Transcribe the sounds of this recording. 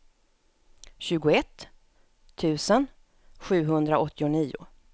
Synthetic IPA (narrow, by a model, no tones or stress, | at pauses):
ɕʉ̟ːɡʊɛt̪ʰː | ʉ̟ːsən | ɧʉ̟ːɦɵnd̪ɾaɔt̪ːɪʊniːʊ̰